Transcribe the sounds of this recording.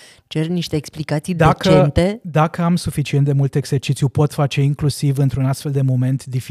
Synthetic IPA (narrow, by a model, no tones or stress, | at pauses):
t͡ʃe̞rniʃt̪e̞ːksplikat̪sijd̪aeakt͡ʃəent̪e̞d̪akəamsufit͡ʃient̪̚d̪e̞mult̪eɡz̥e̞rt͡ʃit̪sjupo̞t̪fat͡ʃe̞iŋklusivɨnt̪ɾunast̪fe̞ld̪e̞mo̞me̞nt̪d̪if